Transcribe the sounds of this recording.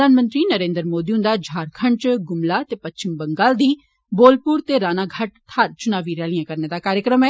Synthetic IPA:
aːnmə̃nt̪ɾinɐɾẽːnd̪əɾmoːd̪iʊ̃nd̪ad͡ʒʱaːɾkʰɐ̃ɳt͡ʃɡʊmlat̪epɐtːt͡ʃɪmbɐ̃ŋɡaːld̪iː | boːlpuːɾt̪eɾaːnaɡʱaʈt̪ʰaːɾt͡ʃʊnaːʋiɾjaːlijãkɐɾned̪akaːɾjəkɾəmɛː

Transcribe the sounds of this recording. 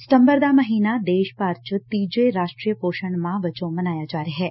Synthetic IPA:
səmbəɾd̪aməɦinad̪eːʃpaɾt͡ʃət̪id͡ʒeɾaʃʈɾijəpoʃəɳmãʋət͡ʃomənajad͡ʒaːɾiɦɛ

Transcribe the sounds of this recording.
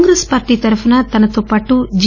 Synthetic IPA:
ŋɡɾespaːɾʈit̪ɐɾɐpʰɐnɐt̪ɐnɐt̪upɐʈːud͡ʒ

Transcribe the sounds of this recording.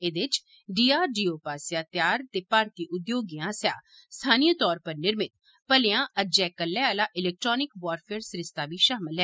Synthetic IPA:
eːd̪ɪt͡ʃ | ɖiːaːɾɖiːoːpaːsjaːt̪jaːɾt̪eːpaːɾt̪iːʔʊd̪joːɡiãːsja̰ː | st̪ʰaːnijət̪ɔːɾpəɾnɪɾmɪt̪̚ | pəlejãːʔəd͡ʒɛːkəlːɛːaːlaːʔɪlɛːk̚ʈɾɔːnɪkʋaːɾfʰeːɾsɾɪst̪aːbiːʃaːmɪlɦɛː

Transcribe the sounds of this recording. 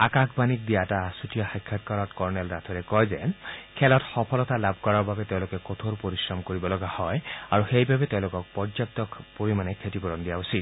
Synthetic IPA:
akakʰbanik̚dijatasutijɔxajkʰːat̚kɔɹɔtkɔɹnɛlɾatʰɔɹɛkɔjzɛkʰɛlɔtxɔpʰɔlɔtalab̚ʱkɔɹɔɹbabɛteʊ̃lokɛkɔt̪ʰoɾupoɹisɹɔmkoɹibɔlɔɡahɔjaɹuxejbabɛteʊ̃lokɔk̚pɔɹzap̚tɔkpoɹimanɛkʰetipɔɹɔndijausid̪

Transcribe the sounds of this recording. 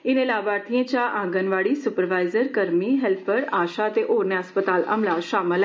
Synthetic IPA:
ɪnẽlaːbaːɾt̪ʰiẽt͡ʃaːʔãːŋɡənʋaːɽisʊpəɾʋaːɪzəɾkəɾmiɦɛlpʰəɾaːʃaət̪eʔoːɾnjaəspət̪aːlɐ̰mlaʃaːməlɛ

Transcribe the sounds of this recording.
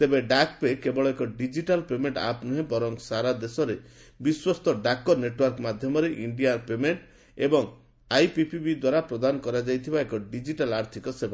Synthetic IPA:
t̪ebeɖakpekebɔɭɔekɔɖid͡ʒiʈalpemeɳʈa̰pnɔɦĩbɔɾɔŋsaɾad̪esɔɾe | biswɔst̪ɔɖakɔneʈwɔɾkɔmad̪ʱjɔmɔɾeʔiɳɖijaɾpemeɳʈ | ebɔŋ | ajpipibid̪waɾapɾɔd̪anɔkɔɾad͡ʒajt̪ʰibaekɔɖid͡ʒiʈalaɾt̪ʰikɔsebʱa

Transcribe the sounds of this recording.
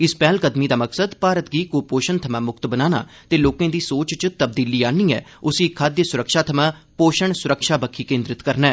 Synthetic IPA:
ɪspɛːlkəd̪miːd̪aːməksəd̪paːɾət̪̚ɡiːkoːpoːʃənt̪ʰəmãːmʊkt̪bənaːna̰ːt̪eːloːkẽːd̪iːsoːt͡ʃt͡ʃt̪əb̚d̪iːliːaːniːɛ̰ːʊsiːkʰːaːd̪jəsʊɾəkʃaːt̪ʰəmãːpoːʃəɳsʊɾəkʃaːbəkʰiːkẽːnd̪ɾɪt̪kəɾnɛː

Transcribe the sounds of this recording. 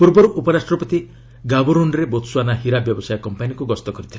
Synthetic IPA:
puɾbɔɾuʔupɔɾasʈɾɔpɔt̪i | ɡabɔɾunɾebot̪suanaɦiɾabjɔbɔsajɔkɔmpanjikuɡɔst̪ɔkɔɾit̪ʰila

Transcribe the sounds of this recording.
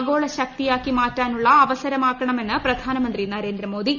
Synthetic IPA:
ɡo̞ːɭɐɕɐk̚t̪ijaːkːimaːtːaːnuɭːɐːʋɐsɐɾɐmaːkːɐɳɐme̞nːɨprɐd̪ʱaːnɐmɐnd̪rinɐɾe̞ːnd̪rɐmo̞ːd̪ʱi

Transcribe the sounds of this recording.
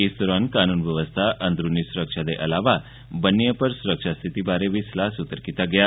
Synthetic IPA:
ist̪uɾankanuːnʋjəʋəst̪ʰaʔənd̪ɾunːisuɾəkʂad̪eʔəlaʋa | bənːijəpəɾsuɾəkʂast̪ʰit̪ibaɾeʋislasut̪əɾkit̪aɡja

